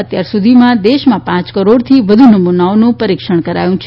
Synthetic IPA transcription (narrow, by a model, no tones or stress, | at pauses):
ət̪jaɾsud̪ʱimãd̪eʃmãpãt͡ʃkəɾoɽt̪ʰiʋəd̪ʱunəmunaonũpəɾikʃəɳ̃kəɾa̰jũt͡ʃʰ